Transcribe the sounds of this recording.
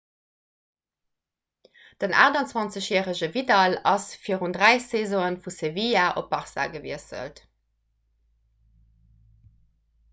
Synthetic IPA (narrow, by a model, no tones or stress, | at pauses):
d̥əna̰ːʁdɑnt͡swɑnt͡səɕjæːʁəʑəvidɑlɑsfiəʁundʁæɪseːzoənfusevijaʔopːɑʁsa̰ɡəvḭəsə̰lt